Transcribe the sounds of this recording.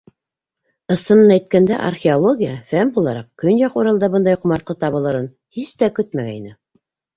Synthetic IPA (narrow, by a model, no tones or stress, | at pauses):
ɤ̆sɤ̆nɤnæjt̪̚kænd̪æ̰ʔa̰rxʲeolˠoɡʲijəfæmbulˠɑɾɑq̚kɵnjɑquɾɑlˠd̪ɑbɤnd̪ɑjqŏmɑɾt̪̚qɤt̪ɑβɤ̆lˠɤ̆ɾɤn | hist̪ækɵt̪̚mæɡæinɘ